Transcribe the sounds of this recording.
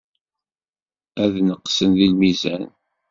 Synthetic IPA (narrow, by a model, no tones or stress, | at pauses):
æðnəqːsənðilmizæn